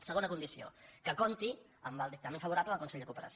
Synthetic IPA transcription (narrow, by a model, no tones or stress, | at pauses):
səɣ̞onəkund̪isio̰kəkont̪i | əmbalˠd̪ik̚t̪amẽɱfəβuɾapləðəlˠkunsɛʎʲd̪əkupəɾə̰s